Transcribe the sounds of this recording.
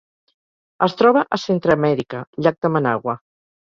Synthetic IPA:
əst̪ɾɔβəʔəsent̪ɾəmɛɾikəʎak̚d̪əmənaɣwə

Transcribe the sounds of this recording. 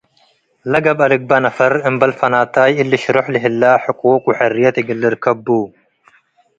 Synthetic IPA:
lɐɡɐbɐlɪɡ̚bɐnɐfɐɾɪmbɐlfɐnaːt̪aːjɪlːɪʃɾɔħlɪɦɪlːaːħɪkʼoːkʼʊħɛrːɪjɐt̪ɪɡɪlːɪɾkɐbːuː

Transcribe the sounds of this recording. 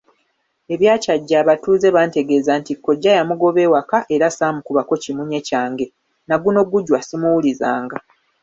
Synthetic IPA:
e̞βjaːcaɟːaːβatuːze̞βaːnte̞ɡe̞ːzantikːo̞ɟːajamuɡo̞βe̞ːwakaʔe̞ɾasaːmukuβako̞cimuɲe̞caːŋɡe̞ | naɡuno̞ɡuɟwasimuwuliza̰ːŋɡa

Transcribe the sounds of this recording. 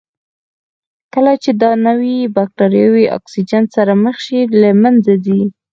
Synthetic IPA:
kəlat͡ʃed̪ɑnawibak̚ʈaɾjɑwiʔɑ̰ksid͡ʒantsaɾaməxʃilamand͡zad̪i

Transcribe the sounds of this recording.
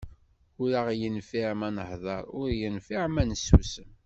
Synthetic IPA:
ʊɾaʁjənfiʕmænəhðˤɑɾˤʊɾjənfiʕmænəsṵsəm

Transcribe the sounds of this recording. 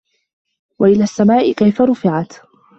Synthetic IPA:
waʔɪlaːsːamaːʔɪkajfaɾʊfɪʕat̪

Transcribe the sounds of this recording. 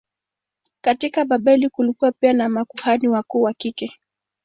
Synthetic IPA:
katikaɓaɓɛlikulikuapianamakuhaniwakuːwakikɛ

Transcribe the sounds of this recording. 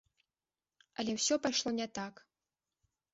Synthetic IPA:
ɐlʲɛwsʲɔpajʂlˠɔnʲɛt̪ak

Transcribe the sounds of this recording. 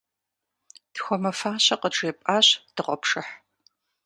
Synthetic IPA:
txʷɔmɐfaːɕɐqəʈ͡ʂʼeːpʼaːɕd̥ɨʁʷɔpʂɨħ

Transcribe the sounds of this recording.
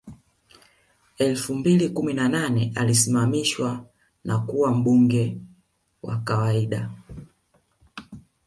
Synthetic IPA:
ɛlfumbilikuminananɛʔalisimamiʃwa | nʔakuwam̩ɓuŋɡɛ | wa̰kawaiɗa

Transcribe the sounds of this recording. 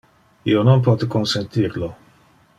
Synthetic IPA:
ḭonɔnpɔːt̪əkɔnsɛnt̪iːɾlɔ

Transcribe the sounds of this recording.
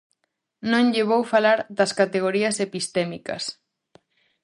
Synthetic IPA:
nõŋʎeβ̞owfalaɾd̪ɐskat̪eɣ̞oɾiɐsepist̪ɛmikɐ̰s

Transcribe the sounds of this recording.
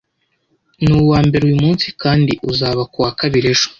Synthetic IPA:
nuːwaːmbe̞ɾujumuːnsi̥kʰaːndiʔuzaːβakuwaːkaβiɾe̞ʒo̥

